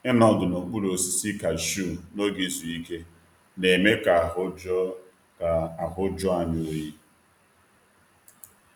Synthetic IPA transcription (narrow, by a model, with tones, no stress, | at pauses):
ɪ˦nɔ˦dʊ˨no˨k͡pu˦lo˨si̥˦˨si˦ka˨ʃu˦˨no˦ɡi˦zu˨i˦ke˦ | ne˨me˦ka˨ʊ˦ | a˨a˨ɦʊ˦d͡ʒɔ˦a˨ɲʊ˦ji˦